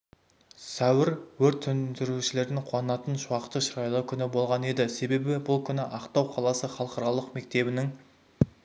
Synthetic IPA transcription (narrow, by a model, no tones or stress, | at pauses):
sæwɪɾwɵɾt̪ʰːʏnd̪ɪɾuʃɪle̞ɾd̪ɪŋqʰʊwɑnəɑt̪ənʃuwɑqt̪ːəʃəɾɑjlˠəkʲʰʏnɪbo̞lˠʁɑne̞d̪ɪse̞be̞bɪbʊlˠkʲʰʏnɪʔɑqt̪ɑwqʰɑlˠɑsəχɑlˠqɑɾɑlˠəqme̞k̚t̪e̞bɪnɪŋ